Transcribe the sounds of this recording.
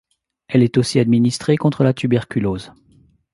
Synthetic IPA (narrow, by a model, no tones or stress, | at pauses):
ɛlɛt̪osiad̪minist̪χekɔ̃t̪χəlat̪ybɛʁkʲyloːz